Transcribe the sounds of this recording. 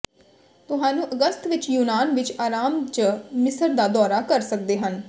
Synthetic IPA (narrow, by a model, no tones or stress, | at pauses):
t̪ʊɦãːnũːʔəɡəst̪ʋɪt͡ʃjuːnaːnʋɪt͡ʃaːɾaːmt͡ʃəmɪsəɾd̪aːd̪ɔːɾaːkəɾsək̚d̪eːɦən